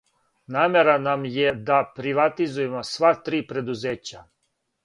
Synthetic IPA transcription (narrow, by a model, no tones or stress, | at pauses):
naːmeɾanamjed̪apɾiʋat̪izujemosʋat̪ɾiːpɾe̞d̪uzeːt͡ɕa